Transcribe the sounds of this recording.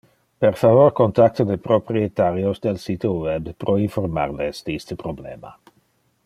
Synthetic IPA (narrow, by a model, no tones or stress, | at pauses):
peɾfavoɾkont̪ak̚t̪od̪epɾopɾiet̪aɾjosd̪elsit̪owɛbpɾoinfoɾma̰rlesd̪eist̪əpɾoblḛːma̰